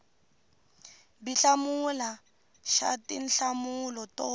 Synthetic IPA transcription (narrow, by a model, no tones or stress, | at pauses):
biɬamula | ʃa̰tin̩ɬamulɔtɔ